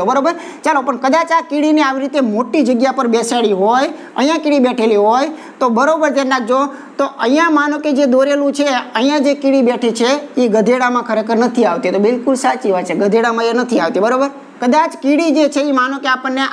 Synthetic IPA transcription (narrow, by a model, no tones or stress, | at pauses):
obəɾobəɾ | t͡ʃalopəɳkəd̪at͡ʃakiɽineaʋiɾit̪emoʈid͡ʒəɡjapəɾbeseɭiɦoj | əjãkiɽibɛʈʰeliɦoj | t̪obəɾobəɾt̪ennãk̚d͡ʒoo | t̪oʔə̃jãmanõked͡ʒed̪oɾelũt͡ʃʰeəijãd͡ʒekiɽibeʈʰit͡ʃʰeiɡəd̪ʱeɽamãkʰəɾekəɾnət̪ʰiaʋt̪it̪obɪlkʊlsat͡ʃiʋat͡ʃʰeɡəd̪ʱeɽamãenət̪ʰiaʋt̪ibəɾobəɾ | kəd̪at͡ʃkiɽid͡ʒet͡ʃʰeimanõkeapənːe